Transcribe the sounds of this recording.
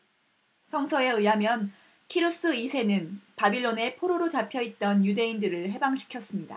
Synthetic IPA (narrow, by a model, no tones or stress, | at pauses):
sʰʌŋsʰʌe̞ɯjɦamjʌn | kʰiɾus͈ɯisʰe̞nɯnpabiɭːone̞pʰoɾoɾot͡ɕapʰjʌit̚t͈ʌnjude̞indɯɾɯɭɦe̞baŋɕʰi̥kʰjʌs͈ɯmɲida̰